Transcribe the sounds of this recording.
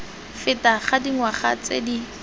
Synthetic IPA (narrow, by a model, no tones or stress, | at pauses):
fɪtaχadiŋwaχat͡sḛdi